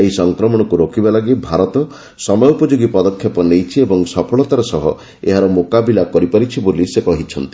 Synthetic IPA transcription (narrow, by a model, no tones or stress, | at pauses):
eɦisɔŋkɾɔmɔɽ̃ɔkuɾokibalaɡibʱaɾɔt̪ɔ | sɔmɔjupɔd͡ʒoɡipɔd̪ɔkʰːjɔpɔnejt͡ʃʰiebɔŋsɔpʰɔɭɔt̪aɾɔsɔɦɔ̰ | ḛɦaɾɔmokabilakɔɾipaɾit͡ʃʰibolisekɔɦit͡ʃʰɔnt̪i̥